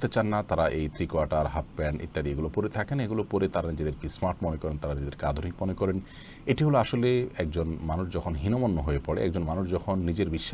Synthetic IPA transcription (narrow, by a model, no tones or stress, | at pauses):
t̪et͡ɕanːat̪aɾaʔejt̪ʰɾikoaɾʈaɾɦap̚bɛnʔḭt̪ːad̪ieɡulopoɾet̪ʰakeneɡulopoɾet̪aɾanid͡ʑed̪eɾkismaɾʈmɔnekɔɾent̪aɾanid͡ʑed̪eɾkad̪ʱoɾik̚mɔnekɔɾen | eʈiɦoloaʃoleɛk̚d͡ʑonmanuʃd͡ʑɔkʰonɦinomonːoɦoepɔɽḛɛ̰k̚d͡ʑonmanuʃd͡ʑɔkʰonːid͡ʑeɾbiʃːa